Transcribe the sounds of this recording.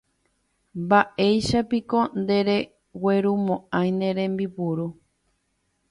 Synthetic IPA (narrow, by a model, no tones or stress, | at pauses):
mbaʔe̞jʃapiko̞nd̪e̞ɾe | weɾumõʔãj̃nẽɾẽ̞mbipuɾu